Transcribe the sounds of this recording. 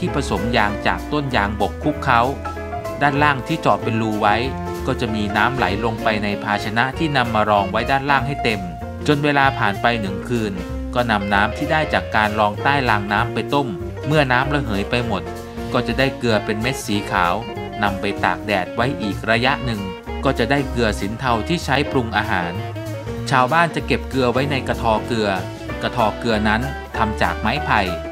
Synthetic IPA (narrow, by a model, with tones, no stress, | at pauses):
t̪ʰiː˥˩pʰa˧so˩˦mjaː˧ŋt͡ɕa̰ː˨˩k̚t̪o˥˩njaː˧ŋbo˨˩kʰːu˦˥kʰːa˦˥w | daː˥˩nlaː˥˩ŋt̪ʰiː˥˩t͡ɕɔː˨˩pe˧nluː˧wa˦˥j | kɔː˥˩t͡ɕa˨˩miː˧naː˦˥mla̰˩˦jlo˧ŋpa˧jna˧jpʰaː˧t͡ɕʰa˧na˦˥ʔt̪ʰiː˥˩na˧mːaː˧ɾɔː˧ŋwa˦˥jdaː˥˩nlaː˥˩ŋɦa˥˩jt̪e˧m | t͡ɕo˧nweː˧laː˧pʰaː˨˩npa˧jnɯ˨˩ŋkʰɯː˧n | kɔː˥˩na˧mnaː˦˥mt̪ʰiː˥˩daː˥˩jt͡ɕaː˨˩kːaː˧nɾɔː˧ŋt̪aː˥˩jlaː˧ŋnaː˦˥mpa˧jt̪o˥˩mː | ɯ˥˩ɐnaː˦˥mla˧˥ɦɤː˩˦jpa˧jmo˨˩t̪̚ | kɔː˥˩t͡ɕa˨˩daː˥˩jkɯ˧ɐpe˧nme˦˥t̪̚siː˩˦kʰaː˩˦w | na˧mpa˧jt̪a̰ː˨˩k̚dɛː˨˩t̪̚wa˦˥jʔiː˨˩k̚ɾa˧ja˦˥ʔnɯ˨˧ŋ | kɔː˥˩t͡ɕa˨˩daː˥˩jkɯ˧ɐsi˩˦nt̪ʰa˧wt̪ʰiː˥˩t͡ɕʰa˦˥jpʰɾu˧ŋʔaː˧ɦa̰ː˩˦n | t͡ɕʰaː˧wbaː˥˩nt͡ɕa˨˩ke˨˩p̚kɯ˧ɐwa˦˥jna˧jka˧t̪ʰɔː˧kɯ˧ɐ | ka˧t̪ʰɔː˧kɯ˧ɐna˦˥n | t̪ʰa˧mt͡ɕa̰ː˨˩k̚ma˦˥jpʰa˧j